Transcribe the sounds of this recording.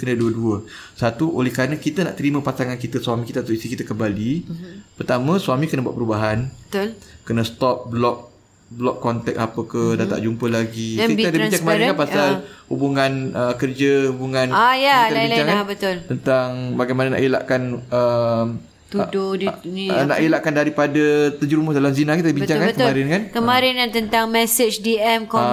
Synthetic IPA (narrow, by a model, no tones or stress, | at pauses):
kənəduəduə | sat̪uʔolɛhkɾanakit̪əna̰ʔt̪əɾimə̃pasaŋankit̪əswamikit̪at̪uisikit̪akəmbalipərt̪amə̃swamikənəbua̰ʔ̚pəɾubaɦanbət̪ʊlkənəst̪ɔp̚blɔk̚ | blɔkːɔnt̪ɛk̚sapəkədat̪a̰ʔd͡ʒumpəlaɡikitadəit͡ʃakəmaɾkanpasalhubuŋanəkərd͡ʒəhubuŋãnajaaiɲt͡ʃaŋkabət̪ʊlt̪ənt̪aŋbaɡajmanəna̰ʔila̰ʔkanəm | t̪udodinina̰ʔilaʔkandaɾipadət̪əd͡ʒuɾumədalamzinakit̪adibiɲɲt͡ʃaŋkantkəmaɾɪnkankəmaɾɪnkant̪ənt̪aŋmɛsət͡ʃdiɛmkɔ